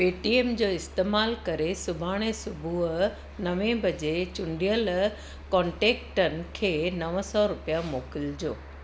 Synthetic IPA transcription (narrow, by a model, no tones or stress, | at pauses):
peːʈieːmd͡ʑoːɪst̪eːmaːlkɐɾesʊbʱaːɽ̃esʊbʱu | nɐʋẽbʱɐd͡ʑet͡ɕʊ̃ɳɖijəl | kɔ̃ːɳʈeːkʈənɪ̆kʰeːnɐʋəsɔɾʊpijamoːkɪld͡ʑoː